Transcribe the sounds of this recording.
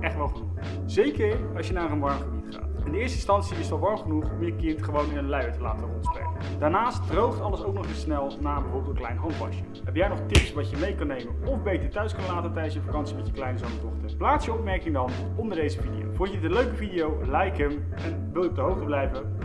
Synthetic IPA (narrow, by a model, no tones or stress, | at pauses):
ʔɛχtʋɛlˠχənuχ | z̥ejkəɹɑ̰ʃjənaːɾənʋɑɹmχəbitχa̰ːɪndəɪːɹstəɪnstɑnsiɪsɑlˠʋɑɹmχənuχɔmjəkɪntχəʋownɪnənlɛɥətəla̰ːtərɔntsprɛ̰kəd̥aːɹnaːstfrowχəɑldəsowk̚nɔχɪsnɛlˠnaːəbəvɔːptəklɛjnɦɔnvɑ̰ʃəɦɛpjɛjnɔχtɪpsʋɑcəmejkɑnejmənɔfbejtəɹtœɥskɑnlaːtətɛjdənsjəfakɑnsimɛtjəklɛjnəzɔnədɔχtəɹplaːsjəɔp̚mɛɹkɪŋdɑn | ɔndəɹdejzəvidḭjo̰wvɔnətənløɥkəvidijowlɛjkəm | ɛn | ʋɪlˠjəɔb̚dəɦowχtəblɛjvə